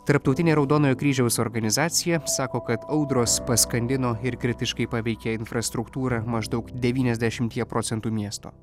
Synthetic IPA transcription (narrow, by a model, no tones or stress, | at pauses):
t̪ɐɾpt̪ɔʊt̪ʲɪnʲeːɾɒʊd̪oːnoːjoːkɾʲiːʒʲɛʊsɔːɾɡɐnʲɪzɑːt̪sʲɪjɛsɑːkoːkɐt̪ɐʊd̪ɾoːspɐskɐnʲd̪ʲɪnoːɪɾkɾʲɪt̪ʲɪʃkɐɪpɑːʋʲɛɪkʲɛɪnfɾɐst̪ɾʊkt̪uːɾɑmɐʒd̪ʊkd̪ʲɛʋʲiːnʲɛzʲd̪ʲɛʃʲɪmʲt̪ʲiɛpɾɔːt̪ʲɛnt̪uːmʲiɛst̪o̰ː